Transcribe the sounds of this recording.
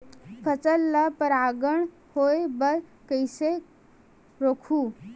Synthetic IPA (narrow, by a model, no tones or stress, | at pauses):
pʰət͡səlːapəɾaɡəɳ̃ | hoebəɾ | kəjse | ɾokʰuː